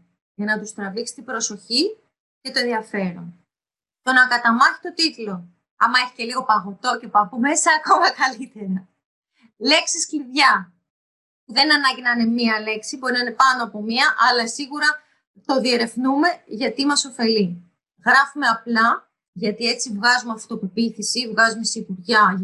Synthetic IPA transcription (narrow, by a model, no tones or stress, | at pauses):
ʝɐnɐt̪ust̪ɾɐviksi̥t̪ibɾo̞so̞çi | ce̞t̪o̞e̞nðiɐfe̞ɾo̰ | t̪o̞nɐkɐt̪ɐmɐθi̥t̪o̞t̪it̪lo̞ | ɐmɐe̞çi̥ce̞liɣo̞pɐɣo̞t̪o̞ce̞pɐpumesɐːko̞mɐkɐlit̪e̞ɾɐ | le̞ksisciðʝɐ | puðe̞nɐnɐɲɟinɐne̞miɐle̞ksibo̞ɾinɐne̞pɐnoɐpo̞miɐʔɐlɐsiɣuɾɐ | t̪o̞ðie̞ɾe̞fnume̞ʝɐt̪imɐso̞fe̞li | ɣɾɐfume̞ɐplɐ | ʝɐt̪ie̞t͡sivɣɐzumeɐft̪o̞pepiθisivɣɐzume̞seipuɾʝɐ